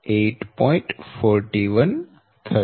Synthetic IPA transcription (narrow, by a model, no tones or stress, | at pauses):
eːʈpɔ̃ɪ̃ɳʈfɔːɾʈiʋə̃n | t̪ʰə